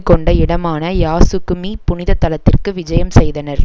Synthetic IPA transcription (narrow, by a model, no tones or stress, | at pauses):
kɔɳɖɐɪɽɐmaːnɐjaːsɯkːɯmipʊnɪðɐt̪ːɐlɐt̪ːɪrkɯʋɪd͡ʒɐjɐmsɛjðɐnɐɾ